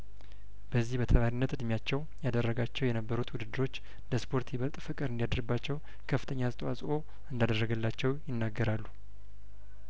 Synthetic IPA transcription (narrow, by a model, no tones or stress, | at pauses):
b̥əzːihbət̪ʰəmaɾinːət̪ɨd̪mjat͡ʃːɛw | jad̪ərːəɡat͡ʃːɛwjɛnəbːəɾut̪wʊd̪ɨd̪ːɨɾo̞t͡ʃː | d̪əspʰo̞ɾt̪jɪβəlt̪ʼfɨkʼɨɾɨnd̪ijad̪əɾɡbːat͡ʃːɛw | kʰəfːɨ̥t̪ʰəɲːast̪ʼəwasʼo̞ | ɨnd̪ad̪ərːəɡəlːat͡ʃːɛwjɪnːaɡːəɾalːu